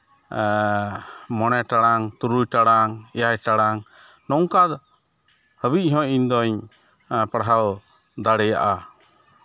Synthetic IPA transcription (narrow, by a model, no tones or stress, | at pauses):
mɔnɛʈaɽaŋt̪uɾujʈaɽaŋɛjajʈaɽaŋ | nɔŋkad̪ | həbic̚ˀɦɔ̃iɲd̪ɔɲ | paɽɦaw | d̪aɽɛja̰ʔa